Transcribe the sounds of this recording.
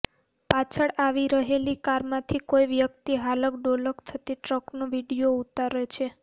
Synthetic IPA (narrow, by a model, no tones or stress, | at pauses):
pat͡ʃʰəɽaʋiɾəɦelikaɾmãt̪ʰikojʋjəkt̪iɦaləkɖoləkt̪ʰət̪iʈɾəknoʋiɽijout̪aɾet͡ʃʰe